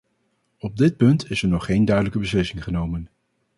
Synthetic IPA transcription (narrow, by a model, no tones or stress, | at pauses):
ɔb̚dɪt̚pɵntɪsɛɹnɔχːejndœɥdələkəbəslɪsɪŋχənowmən